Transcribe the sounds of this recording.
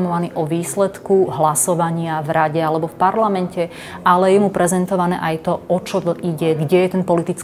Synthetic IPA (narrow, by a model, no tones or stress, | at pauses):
mɔʋaniːʔɔʋiːslɛt̪kuɦlasɔʋaɲɪavɾaɟɛalɛbɔfpaɾlamɛncɛ | ʔalɛjɛmupɾɛzɛnt̪ɔʋanɛ̰ːʔajt̪ɔʔɔt͡ʃɔiɟɛɡɟɛjɛt̪ɛnpɔlit̪it͡s